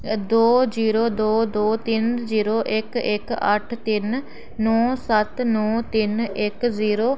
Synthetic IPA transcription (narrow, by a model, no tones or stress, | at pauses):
d̪oːd͡ʒiːɾoːd̪oːd̪oːt̪ɪnd͡ʒiːɾoːʔɪkɪkə̰ʈʰt̪ɪnː | ɔːsət̪nɔːt̪ɪnɪkziːɾoː